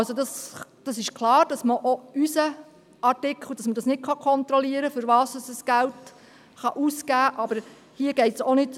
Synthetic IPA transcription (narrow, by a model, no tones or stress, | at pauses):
ɑlsodɑsd̥ɑsɪʃklɑːɾd̥ɑsməʔoysə | ɑɾtɪkχl̩ˠd̥ɑsmədɑsnɪt̚kχɑkʰɔnt̪ɾɔliəɾəfʏɾvɑːsɑsəsɡ̥ælt | χɑʔuskæːʔɑb̥əɾ | hiəɡ̥ɛɪtsonɪd